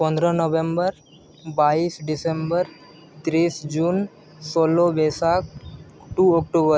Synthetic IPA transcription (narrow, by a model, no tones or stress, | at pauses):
pə̃nd̪ɾanoʋembəɾ | baiːsɖisembəɾ | t̪ɾiːsd͡ʒuːn | soːlobesak̚ʈuːɔk̚ʈobəɾ